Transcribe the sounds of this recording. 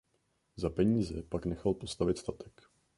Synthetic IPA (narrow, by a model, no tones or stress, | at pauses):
zapɛɲiːzɛpaknɛxalpo̞st̪avɪt̪st̪at̪ɛ̥k